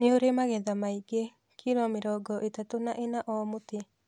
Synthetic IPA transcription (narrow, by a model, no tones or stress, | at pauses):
neoɾemaɣɛðamaiɡe | kʰiɾɔmɪɾɔɡɔʔetatonaʔenaʔɔmote